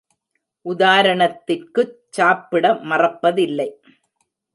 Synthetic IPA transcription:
ʔʊðaːɾɐɳɐt̪ːɪrkɯt͡ʃːaːpːɪɽɐmɐrɐpːɐðɪlːɐɪ

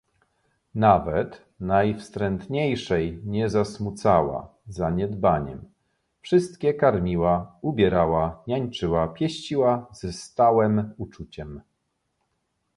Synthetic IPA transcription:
navɛt̪ | najfst̪ɾɛnt̪ɲejʂɛjɲɛzasmut̪sawa̰ | zaɲɛd̪baɲɛ̰m | fʂɘst̪kʲɛkaɾmʲiwaubʲjɛɾawaɲaɲt͡ʂɘwapʲjɛɕt͡ɕiwazɛst̪awɛmut͡ʂut͡ɕɛm

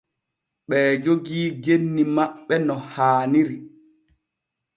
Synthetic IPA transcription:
ɓɛːd͡ʒoɡiːɡenːimaɓːɛnɔhaːniɾi

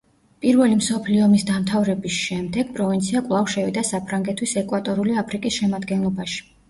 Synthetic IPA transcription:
pʼiɾvɛlimsɔpʰliɔmisd̪amt̪ʰavɾɛbisʃɛmd̪ɛɡ̥pʼɾɔvint̪sʰiakʼvlˠafʃɛvid̪asapʰɾaŋɡɛt̪ʰwisɛkʼwat̪ʼɔɾuliapʰɾikʼisʃɛmad̪ɡɛnlˠɔbaʃi̥

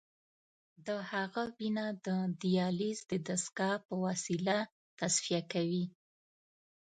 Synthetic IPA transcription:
d̪əhaɣawinad̪əd̪ijɑlizd̪əd̪askɑpəwɑsila | t̪asfijakawi

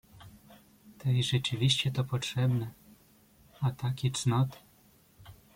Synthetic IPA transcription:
t̪ɛjʐɛt͡ʂɘvʲiɕt͡ɕɛt̪ɔpɔtʂɛbnɛ | at̪akʲɛtt͡ʂnɔt̪ɘ̥

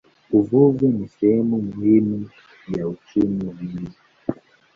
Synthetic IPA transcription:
uvuvɛnisɛhɛmumuhimu | jaut͡ʃumivizi

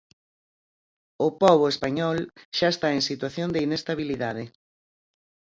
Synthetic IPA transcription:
ʊpɔβ̞ʊespaɲɔlʃaest̪aeŋsit̪waθjond̪einest̪aβiliðaðɪ

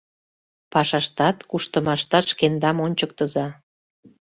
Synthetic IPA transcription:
pɑʃɑʃt̪ɑt̪kuʃt̪əmɑʃt̪ɑt̪ʃkend̪ɑmonʲt͡ɕək̚t̪əzɑ

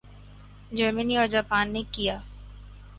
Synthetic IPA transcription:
d͡ʒəɾməniɔːɾd͡ʒaːpaːnːekijaː

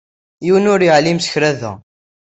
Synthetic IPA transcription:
jiwənʊɾjəʕlimsə̥çɾæðæ̰

